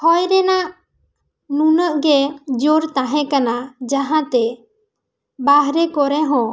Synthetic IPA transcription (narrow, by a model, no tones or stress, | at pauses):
hɔjɾɛnaʔ | nunəʔɡɛd͡ʒoɾt̪aɦɛ̃kanad͡ʒaɦãt̪ɛ | baɦɾɛkɔɾɛɦɔ̃